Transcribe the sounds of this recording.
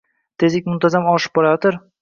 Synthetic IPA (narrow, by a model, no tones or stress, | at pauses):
t̪ʰe̞zɪk̚ʲmʊnt̪ʰazamɒʃɪ̥p̚bɒɾajɔt̪ɪɾ